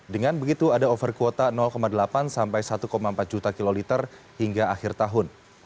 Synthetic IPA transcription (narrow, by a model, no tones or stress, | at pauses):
dəŋanbəɡit̪uadaofərkuwot̪anɔlkomadəlapansampajsat̪ukomaəmpat̪̚d͡ʒut̪akilolit̪ər | hiŋɡaaxɪrt̪aɦʊn